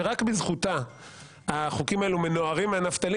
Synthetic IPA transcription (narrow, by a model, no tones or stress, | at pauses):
eʁakbizχut̪a | aχukimaelume̞noaʁimeanaft̪ali